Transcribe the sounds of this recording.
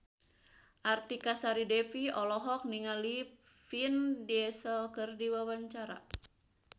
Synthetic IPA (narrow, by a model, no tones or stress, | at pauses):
ʔart̪ikasaɾidɛfiɔlɔɦɔk̚niŋali | findiɛsɔlkɨrdiwawaɲt͡ʃaɾa̰